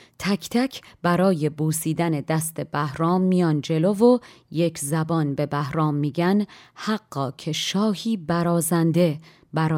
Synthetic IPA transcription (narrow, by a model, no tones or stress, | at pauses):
t̪ʰæcʰt̪ʰæcʰb̥æɾɒːje̞buːsiːd̪æne̞d̪æst̪e̞bæhɾɒːmːijɒːnd͡ʒe̞lo̞vo̞ | je̞cʰzæbɒːnbe̞bæhɾɒːmːiːɟænhæɢːɒːcʰe̞ʃɒːhiːbæɾɒːzænd̪e̞ | bæɾɒː